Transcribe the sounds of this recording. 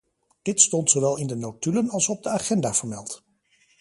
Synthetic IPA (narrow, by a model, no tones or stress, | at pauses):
d̥ɪtstɔntsowʋɛlˠɪndənowtylənɑlˠsɔb̚dəaːχɛndaːv̥əɹmɛlˠt